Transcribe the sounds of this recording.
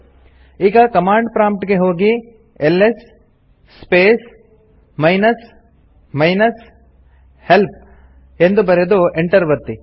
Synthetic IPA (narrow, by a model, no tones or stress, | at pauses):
iːɡɐkɐmaːɳɖpɾaːmp̚ʈɡe̞ɦo̞ːɡi | elːesː | peːs | mɐjnɐs | mɐjnɐs | help̚ | end̪ubɐɾed̪ueɳʈɐɾʋɐt̪ːi